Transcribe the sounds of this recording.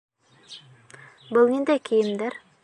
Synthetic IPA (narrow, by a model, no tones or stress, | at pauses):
bəlˠnend̪ejkʲʰejɪmd̪eɾ